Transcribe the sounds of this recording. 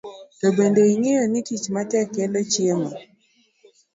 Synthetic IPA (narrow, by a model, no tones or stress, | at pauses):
tobendoiŋejɔnitit͡ʃmatɛkːɛlɔt͡ʃjemɔ